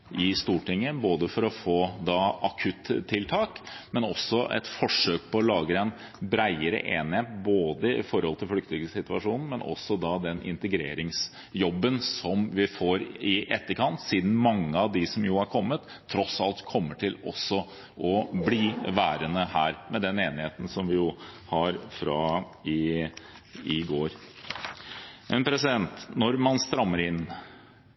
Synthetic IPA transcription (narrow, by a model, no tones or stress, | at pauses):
ʔɪst̪uːʈʰɪŋːəboːd̪əfɔɾɔfoːd̪ɑɑkʰʉt̪ʰːɪlt̪ʰɑːkmɛnɔsːɔʔɛ̰t̪fɔʂøːk̚pʰɔːlɑːɡəɛɪn | bɾæɪəɾə̰ʔeːnɪheːt̪̚boːd̪əɪ̰fɔɾhɔlt̪ʰɪlflʏk̚t̪ɪɡəsɪt̪ʋɑʂuːnn̩mɛnʔɔ̰sːɔd̪ɑd̪ɛnɪ̰nt̪əɡɾeːɾɪŋs | jɔbːənsɔmʋɪfoːɾɪʔɛt̪ːəɾkʰɑnt̪siːd̪n̩mɑŋːəɑʋd̪ɪsɔmjuːæɾkʰɔmːət̪ʰːɾɔsɑlt̪kʰɔmːəʈʰɪlɔ̰sːɔ | ʔɔbliːʋæːɾənəhæːɾmɛd̪ɛneːnɪheːt̪n̩sɔmʋɪjʊhɑɾfɾɑ | ɪ | ɪɡoːɾ | ʔɛnpʰɾɛsɪd̪ɛnt̪nɔɾmɑnst̪ɾɑmːəɾɪn